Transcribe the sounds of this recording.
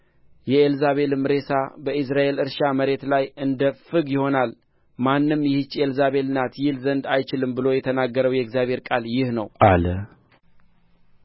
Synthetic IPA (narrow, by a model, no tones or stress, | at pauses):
jɛelzaβe̞lmɨɾe̞sabəʔɨs̬ɾaʔe̞lɨɾʃaməɾe̞t̪lajɨnd̪əfɨɡjɪho̞nal | manːɨmjɛhɨt͡ʃːelzaβe̞lɨnat̪jɪlzənd̪ajt͡ʃɪlɨmbɨlo̞jɛt̪ʰənaɡːəɾəwjɛɡzjaβhe̞ɾkʼaljɪhnəwʔalə